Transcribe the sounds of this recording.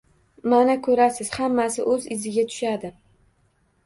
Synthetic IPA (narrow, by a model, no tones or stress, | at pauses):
manakʰɵɾasɪz̥hamːasɪʔɵzɪzɪɡʲat̪ʰʊ̥ʃad̪ɪ